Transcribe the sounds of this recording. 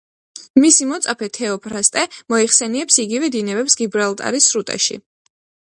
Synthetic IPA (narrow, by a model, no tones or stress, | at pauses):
misimɔt̪sʼapʰɛt̪ʰɛɔpʰɾast̪ʼɛmɔiχsɛniɛpsiɡivɛd̪inɛbɛpsɡibɾalˠt̪ʼa̰ɾisɾut̪ʼa̰ʃḭ